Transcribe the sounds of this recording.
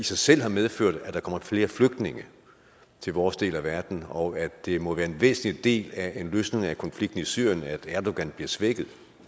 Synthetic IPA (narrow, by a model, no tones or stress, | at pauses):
isɑ̈ɪsel̰hɑ̈með̞ˠføɐ̰d̥æd̥ɑ̈kʰɒ̽m̰ɐfle̝ːɐfløɡ̥̚d̥ne̝ŋə | t͡sʰe̝lʋɒːsd̥e̝̰ːlæʋæɐd̥n̩ɒ̽ædd̥e̝mɒ̽ʋæːɐenʋḛːsn̩lid̥e̝̰ːlæe̝nløːsne̝ŋækʰɒ̽nfliɡ̥̚d̥n̩isy̰ɐ̰jənæd̥æɐd̥o̝ɡ̥ænb̥liɐsʋeɡ̥ð̩ˠ